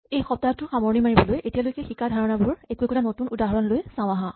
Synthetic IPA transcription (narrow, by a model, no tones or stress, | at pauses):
ejxɔp̚taɔtːʊxamɔɹnimaɹibɔlojʔetijalojkɛxikadʱaɹɔnabʊɹɛkuɛkɔtanotunudaɦɔɹɔnlojsãʊw̃aɦã